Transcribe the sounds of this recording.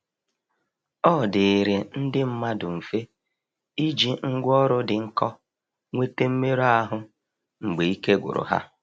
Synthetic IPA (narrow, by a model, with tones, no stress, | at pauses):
ɔ˦˨de˨ɾe˨n̩˦dɪ˦m̩˦ma˦dʊ˨m̩˨fe˦ | i˦d͡ʒi˨ŋ̩˦ɡʷɔ˦ɾʊ˦dɪ˨ŋ̩˦kɔ˦ | ŋʷe˦te˦m̩˦me˦ɾo˦a˦ɦʊ˦ | ŋ͡m̩˨ɡ͡be˨i˦ke˦ɡʷʊ̰˨ɾʊ̰˨ɦa̰˦